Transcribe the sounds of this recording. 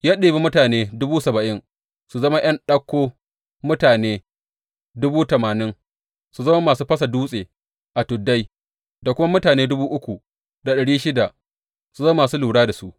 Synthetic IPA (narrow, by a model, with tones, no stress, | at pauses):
jaː˦ɗeː˨be˦mʊ˦taː˨neː˦dʊ˦buː˦sɐ˨bɐ˨ʔɪ˦ŋ | su˨zɐ˦ma˦j̰ɐ˦nɗɐ˦kʷːoː˦ | mʊ˦taː˨neː˦ | dʊ˦buː˦tɐ˨maː˨nɪ˦ŋ | su˨zɐ˦ma˦maː˨suː˦ɸɐ˦sɐ˨duː˦sʼeː˨ | ʔa˨tʊ˨dːa˦j | da˨kʷʊ˦ma˦mʊ˦taː˨neː˦dʊ˦buː˦ʔʊ˦kʷu˨ | da˨ɗɐ˨ɽiː˦ʃɪ˦da˨ʔ | su˨zoː˦maː˨suː˦luː˨ɽaː˦da˨su˦ʔ